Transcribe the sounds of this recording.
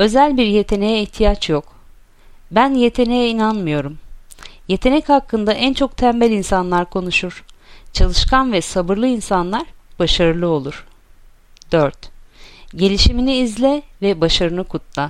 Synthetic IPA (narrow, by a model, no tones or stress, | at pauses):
ø̞zælʲbiɾje̞t̪ʰe̞ne̞jɛiçt̪ʰijat͡ʃjok | bænje̞t̪ʰe̞ne̞jɛinanmɯjo̞ɾumje̞t̪ʰe̞nɛchakːɯnd̪aʔænt͡ʃʰo̞k̚t̪ʰæmbɛlʲinsanlˠaɾkʰo̞nuʃuɾ̥t͡ʃʰalˠɯʃkʰanvɛsabɯɾlˠɯinsanlˠaɾb̥aʃaɾɯlˠɯo̞lˠuɾ̥ | d̪̥øɾt̪ | ɟe̞lʲiʃiminiːzlʲɛvɛbaʃaɾɯnɯkʰut̪lˠa